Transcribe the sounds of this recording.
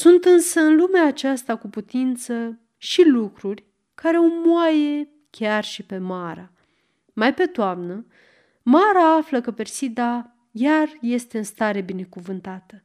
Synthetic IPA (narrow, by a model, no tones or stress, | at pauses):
sunt̪ɨnsəɨnlumeaːt͡ʃast̪akuput̪int̪sə | ʃilukɾurʲ | kaɾe̞omuaje̞ | kʲarʃipe̞maɾa | majpe̞d̪oamnə | maɾaafləkəpe̞rsid̪a | jarje̞st̪e̞ɨnst̪aɾe̞bine̞kuvɨnt̪at̪ə